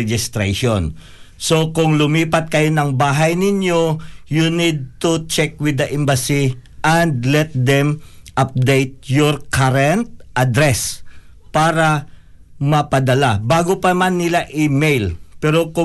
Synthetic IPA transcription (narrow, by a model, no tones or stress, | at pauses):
d͡ʒɪst̪ɾeʃon | so̞kʊŋlʊmiːpɐt̪̚kɐjo̞nɐŋbaːɦɐjnɪɲjojunid̪̚t̪ʊt͡ʃɛk̚wɪd̪ɐʔɛmbɐsiʔɐnd̪lɛt̪̚d̪ɛmʔap̚d̪ejt̪̚joɹkaɾɛnt̪̚ʔɐd̪ɾɛs | paːɾɐ | mɐpɐd̪ɐlabaːɡopɐmanːɪlaʔɪmejlpɛɾo̞kʊ